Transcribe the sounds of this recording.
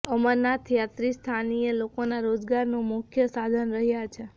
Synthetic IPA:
əməɾnat̪ʰijat̪ɾist̪ʰanijəlokonaɾod͡ʒɡaɾnũmʊkʰjəsad̪ʱənɾəɦjat͡ʃʰe

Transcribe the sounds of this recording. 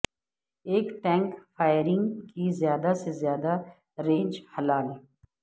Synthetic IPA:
eːkʈɛ̃ːŋkfaːɪɾɪ̃ŋɡkizjaːd̪asezjaːd̪a | ɾẽːnd͡ʒhɐlaːl

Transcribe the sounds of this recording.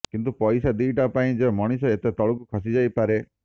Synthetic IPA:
kint̪upɔjsad̪iːʈapaĩd͡ʒemɔɽ̃is̬ɔet̪et̪ɔɭukukʰɔsid͡ʒajpaɾe

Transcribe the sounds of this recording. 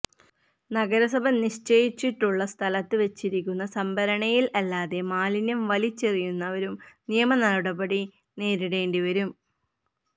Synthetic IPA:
nɐɡɐɾɐsɐbɐmniʂt͡ɕejit͡ɕːiʈːuɭːɐst̪ʰɐlɐt̪ːɨʋe̞t͡ɕːiɾikʲːunːɐsɐmbʱɐɾɐɳɐjilɐlːaːðe̞maːlinɐmʋɐlit͡ɕːerijunːɐʋɐɾumnijɐmɐnɐɭɽɐbɐɽi | ne̞ːɾiɽe̞ːɳɖiʋɐɾum

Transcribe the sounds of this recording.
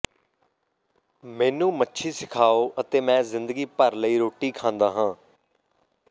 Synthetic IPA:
mɛ̃ːnũːmətːʃʰiːsɪkʰaːoːʔət̪eːmɛ̃ːzɪnd̪əɡiːpəɾləiːɾoːʈiːkʰãːnd̪aːɦãː

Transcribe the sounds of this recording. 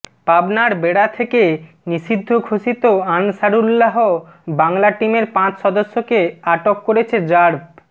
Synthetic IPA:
pabnaɾbeɽat̪ʰeke | niʃid̪ʱːokʰoʃit̪oanʃaɽulːaɦo | baŋlaʈimeɾpãt͡ɕʃɔd̪oʃːokeaʈokːoɾet͡ɕʰed͡ʑaɾb̚

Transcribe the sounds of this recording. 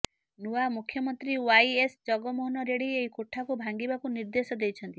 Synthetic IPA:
nuwamukʰjɔmɔnt̪ɾiwajesd͡ʒɔɡɔmoɦɔnɔɾeɽieɦikoʈʰːakubʱaŋɡibakuniɾd̪esɔd̪ejt͡ʃʰɔnt̪i

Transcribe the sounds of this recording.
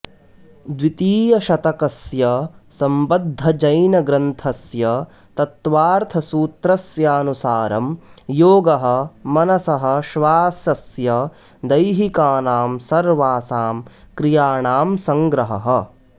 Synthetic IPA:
d̪ʋit̪iːjɐʃɐt̪ɐkɐsjɐsɐmbɐd̪ʱːɐd͡ʒɐjnɐɡɾɐnt̪ʰɐsjɐ | t̪ɐt̪ʋaːɾt̪ʰɐsuːt̪ɾɐsjaːnusaːɾɐmjoːɡɐɦɐ̆mɐnɐsɐɦɐ̆ʃʋaːsɐsjɐ | d̪ɐjɦikaːnaːmsɐɾʋaːsaːm | kɾijaːɳaːmsɐŋɡɾɐɦɐ̰ɦɐ̆

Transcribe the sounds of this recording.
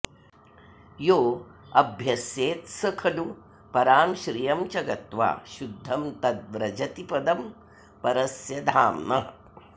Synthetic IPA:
joː | ɐbʱjɐsjeːt̪sɐkʰɐlu | pɐɾaːmʃɾijɐmt͡ʃɐɡɐt̪ʋa̰ːʃud̪ʱːɐmt̪ɐd̪ʋɾɐd͡ʒɐt̪ipɐd̪ɐm | pɐɾɐsjɐd̪ʱaːmnɐ

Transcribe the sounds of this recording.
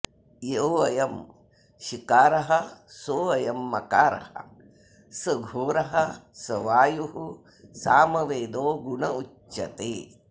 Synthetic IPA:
jeʋɐjɐm | ʃikaːɾɐɦɐsoːʋɐjɐmːɐkaːɾɐ̰hɐ̰ | sɐɡʱoːɾɐɦɐsɐʋaːjuɦu | saːmɐʋeːd̪oːɡuɳɐut͡ʃːɐ̰t̪eː

